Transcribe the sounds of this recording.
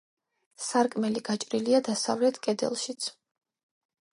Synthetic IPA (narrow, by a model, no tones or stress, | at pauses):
saɾkʼmɛliɡat͡ʃʼɾiliad̪asavlɛt̪ʰkʼɛd̪ɛ̰lˠʃit̪sʰ